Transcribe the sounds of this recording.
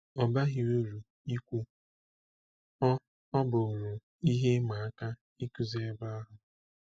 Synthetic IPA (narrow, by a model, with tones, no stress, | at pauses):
ɔ˨ba˦ɦɪ˨wo˦ɾu˨ | i˦kʷu˦ | ɔ˦ | ɔ˦bo˨ɾu˨ | i˦ɦe˦ma˨a˦ka˦ | i˦ku˦ze˦e˦ba˦a˦ɦʊ˨